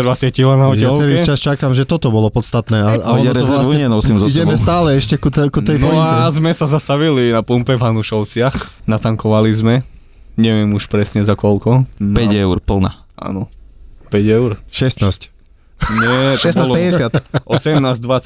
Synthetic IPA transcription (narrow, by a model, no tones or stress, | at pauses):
d̪ʋat͡sɪacilanaɔjalt͡skɛɾit͡ʃast͡ʃakamʒɛt̪ɔt̪ɔbɔlɔpɔt̪st̪at̪nɛːaaɔnɔɔzɾasɲɛnɔsimziɟɛmɛst̪aːlɛɛʃcɛkut̪kuɛjnp̪ɔɔazmɛsazast̪aʋilinapumpɛvɦanuʃɔʊt͡sɪaxnat̪aŋkɔʋalizmɛ | ɲɛʋɛmuʃpɾɛsɲɛzakɔlkɔpɛɟɛʊɾpl̩ˠna̰a̰nɔpɛɟɛʊɾʃɛst̪naːsc | ɲɛʃɛspɛɛsɪat̪ʔɔsɛmnaːzd̪ʋa